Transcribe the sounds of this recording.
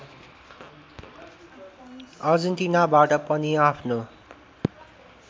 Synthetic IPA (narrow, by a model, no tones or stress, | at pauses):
ʌd͡zunt̪inabaʈʌpʌniapʰno